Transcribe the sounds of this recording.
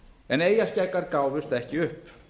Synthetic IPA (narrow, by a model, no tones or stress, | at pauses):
ɛneːjascajkːaɾkaːwvʏst̪ɛhcɪʏhp